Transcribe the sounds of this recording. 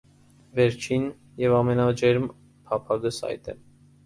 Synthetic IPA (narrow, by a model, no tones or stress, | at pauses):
vɛɾt͡ʃʰin | jɛvɑmɛnɑd͡ʒɛɾm | pʰɑpʰɑɡəsɑ̰jt̪ɛ̰m